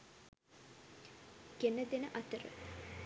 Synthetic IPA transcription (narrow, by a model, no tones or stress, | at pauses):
ɡenəd̪enəʔɐt̪əɾə̰